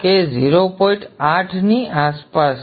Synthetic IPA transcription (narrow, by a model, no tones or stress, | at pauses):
ked͡ʒiɾopɔĩɳʈaʈʰniʔaspas